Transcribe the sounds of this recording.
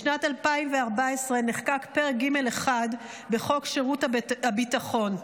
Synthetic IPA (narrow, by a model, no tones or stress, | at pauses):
ʃnatalpaimveaʁbaesʁeneχkakpeʁeɡime̞leχad | beχo̞kʃeʁutabitaχo̞n